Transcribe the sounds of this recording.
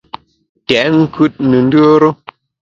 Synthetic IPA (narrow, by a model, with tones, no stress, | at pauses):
tɛ˨˦ŋ̩˦kʰʉ˦t̚nə˨n˦dʉ˦ə˦ɾo˦